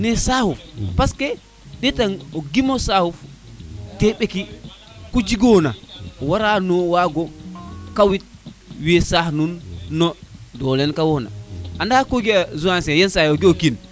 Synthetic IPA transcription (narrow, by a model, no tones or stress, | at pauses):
nɛsahufpaskɛ | ɗɛtanɔɡimɔsahuf | tɛɓeki | kud͡ʒiɡɔnaɔwaɾanɔwaɡɔkawit̚wiɛsahnunːɔdɔlɛnkawɔna̰ʔandakoɡiazuansɛjɛnsajɛɔɡiokin